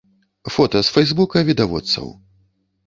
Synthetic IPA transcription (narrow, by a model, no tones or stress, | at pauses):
fɔt̪ɐsfɛjzbukɐvʲid̪avɔ̰t̪sːɐ̰w